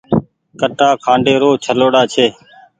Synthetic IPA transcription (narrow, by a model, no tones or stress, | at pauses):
kəʈaːkʰãːɳɖeːɾoːt͡ʃʰəloːɽaːt͡ʃʰeː